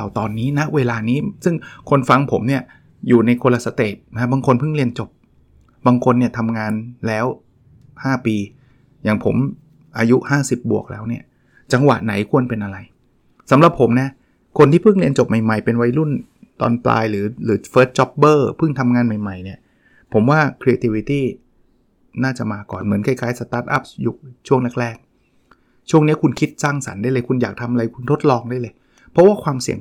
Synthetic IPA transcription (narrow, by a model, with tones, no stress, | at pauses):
a˨˩wt̪ɔː˧nːiː˦˥na˦˥ʔweː˧laː˧niː˦˥sɯ˥˩ŋkʰo˧nfa˧ŋpʰo˩˦mni˥˩ɐ | juː˨˩na˧jkʰo˧la˧sa˧t̪eː˨˩t̪̚na˦˥baː˧ŋkʰo˧npʰɯ˥˩ŋli˧ənt͡ɕo˨˩p̚ | baː˧ŋkʰo˧nːi˥˩ɐt̪ʰa˧mŋaː˧nlɛː˦˥w | haː˥˩piː˧ | jaː˨˩ŋpʰo˩˦m | ʔaː˧ju˦˥ʔhaː˥˩si˨˩p̚bu˨˩ək̚lɛ̰ː˦˥wni˥˩ɐ | t͡ɕa˧ŋwa̰˨˩ʔna˩˦jkʰu˧ənpe˧nʔa˧ɾa˧j | sa˨˩˦mɾa˨˩p̚ʰːo˩˦mna˦˥ | kʰo˧nt̪iː˥˩pʰɯ˥˩ŋli˧ənt͡ɕo˨˩p̚ma˨˩jma˨˩jpe˧nwa˦˧˥jlu˥˩n | t̪ɔ̰ː˧npla̰ː˧jɾɯː˩˦lɯː˩˦feː˦˥t̪̚t͡ɕɔ˦˥p̚bɤː˥˩pʰɯ˥˩ŋt̪ʰa˧mŋaː˧nma˨˩jma˨˩jni˦˥˩ɐ | pʰo˩˦mwaː˥˩kʰɾi˧eː˧t̪ʰi˧wi˧t̪iː˥˩ | naː˥˩t͡ɕa˨˩maː˧kɔ̰ː˨˩nmɯ˩˦ənkʰa˧˩jkʰaː˦˥jsa˧t̪aː˦˥t̪̚ʔa̰˦˥p̚juː˨˩t͡ɕʰu˥˩əŋlɛ˦˥˩k̚ɾɛː˥˩k̚ | t͡ɕʰu˥˩əŋni˦˥kʰu˧nkʰi˦˥t̪̚saː˥˩ŋsa̰˩˦nda˥˩jlɤː˧jkʰu˧njaː˨˩k̚t̪ʰa˧mʔa˧ɾa˧jkʰu˧nt̪ʰo˦˥t̪̚lɔː˧ŋdaː˥˩˨jlɤ˧j | pʰɔ˦˥waː˥˩kʰwaː˧msi˨˩əŋ